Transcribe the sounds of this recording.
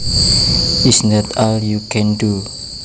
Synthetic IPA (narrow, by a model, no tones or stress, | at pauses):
ʔɪsnɔt̪ɔljukʰɛ̃ndu